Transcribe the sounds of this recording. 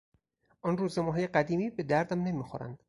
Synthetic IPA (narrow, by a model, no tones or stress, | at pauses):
ʔɒnruːzemɒːɦɒːjeɢæd̪iːmiːbe̞d̪æɾd̪æmne̞miːxoɾæ̰nd̪̥